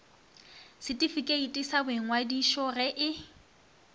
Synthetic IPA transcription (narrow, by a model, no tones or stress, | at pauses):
sɪtʼifikʼeitʼisabɪŋ̩wadiʃɔrɛʔɪ